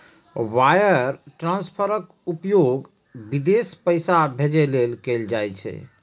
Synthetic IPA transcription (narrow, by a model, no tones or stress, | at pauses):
wajəɾʈɾãnspʰəɾək | upjoɡ | bid̪espəjsabʱed͡ʒelelkeld͡ʒajt͡ʃʰɛ̰